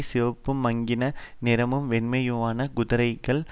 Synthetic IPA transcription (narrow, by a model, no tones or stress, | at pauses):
sɪʋɐpːɯmɐŋɡɪnɐnɪɾɐmɯmʋɛnmɐjɯʋaːnɐɡʊðɯɾɐɪɣɐɭ